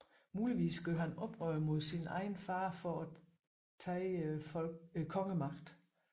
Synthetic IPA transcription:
muːliʋḭːsɡ̥øɦænɒ̽b̥ʁœːmo̝ð̰ˠsinɑ̈ɪn̩fɑ̈ːfɒæ | t͡sʰɛːfkʰɒ̽ŋəmɑ̈ɡ̥d̥

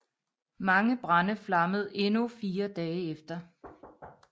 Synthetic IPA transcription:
mɑ̈ŋəb̥ʁɑnəflɑ̈məð̞̩ˠe̝nufiːɐd̥ɛːefd̥ɐ

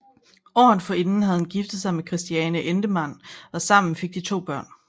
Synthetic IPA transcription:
ɒ̰ːn̩ˠfɒ̽e̝nn̩ɦæðˠhn̩ɡ̥ifd̥ð̩ˠsɑ̈ɪmekʰʁɛsd̥iɛːnəʔend̥əmæn̰ɒ̽sɑ̈m̰n̩fe̝ɡ̥̚d̥it͡sʰo̝̰ːb̥ɶɐ̰n

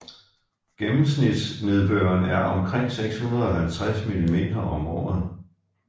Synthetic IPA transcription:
ɡ̥emm̩snid̥sne̝ð̞ˠb̥øɐnæɐʔɒ̽mkʰʁeŋ̰seɡ̥shunɐðˠɒhælt͡sʰʁasmilime̝̰ːd̥ɐʔɒ̽mʁɒ̰ð̩ˠ

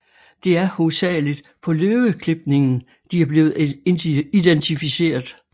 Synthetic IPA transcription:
d̥e̝æɐhosɛ̰ːlid̥ | pʰɒ̽løːwəkʰle̝b̥̚ne̝ŋn̩ | d̥iæɐb̥le̝ːʊ | id̥ent͡sʰifise̝̰ːɐðˠ

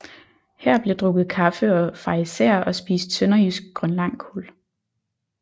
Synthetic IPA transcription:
hæɐ̰b̥led̥ʁɔ̽ɡ̥ð̞̩ˠkʰɑ̈fəɒ̽fɑ̈iseɐɒ̽sb̥ḭːsd̥sønɐisɡ̥̚ɡ̥ʁɶnlɑ̈ŋ̰kʰol

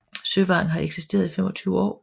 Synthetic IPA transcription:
søʋɑ̰̈ːn̩ɦɑ̈eɡ̥sisd̥e̝̰ɐð̞ˠifemɒ̽t͡sʰyːʊɒ̰ː

